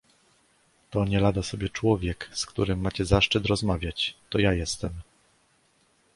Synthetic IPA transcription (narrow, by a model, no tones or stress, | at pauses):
t̪ɔɲɛɾad̪asɔbʲjɛt͡ʂwɔvʲjɛkskt̪uɾɘmːat͡ɕɛzaʂt͡ʂɘt̪ɾɔzmavʲjat͡ɕt̪ɔjajɛst̪ɛm